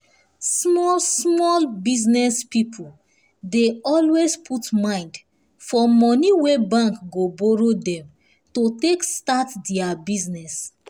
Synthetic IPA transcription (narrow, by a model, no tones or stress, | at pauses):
smɔsmɔlbiznɛspipʰul | deɔlwespʰutmãɪ̃nd | fɔmɔniwebãŋkɡobɔɹodɛ̃m | totekstatdɛabiznɛs